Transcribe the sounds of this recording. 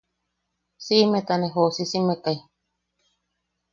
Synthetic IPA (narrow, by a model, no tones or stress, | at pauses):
simẽt̪aneɦosisimekai